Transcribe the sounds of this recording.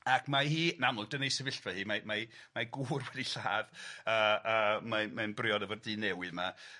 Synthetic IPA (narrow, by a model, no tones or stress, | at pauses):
akʰmahiːnamlˠʊɡ̚d̥ənejsɛvɪɬvɛhiːmamamaɡuːrwɛdiɬaːðəːəːmamanbrɪɔdəvɔrdiːnɛwɨðma